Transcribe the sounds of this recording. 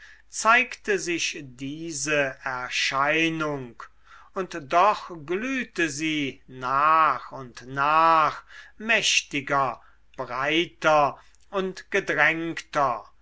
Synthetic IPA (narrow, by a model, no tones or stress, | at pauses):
t͡saɪktəzɪʃdiːzəɛɐʃaɪnʊŋk | ʊntd̥ɔχɡlyːtəziːnaːχʊntnaːχmɛʃtɪɡɐ | b̥ʁaɪtɐ | ʊntɡ̥ədʁɛŋktɐ